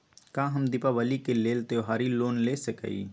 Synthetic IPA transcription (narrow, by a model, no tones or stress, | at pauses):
kãːɦəmd̪ipaʋəlikeleːlt̪eɦaːɾiloːnlesəkə̰ḭ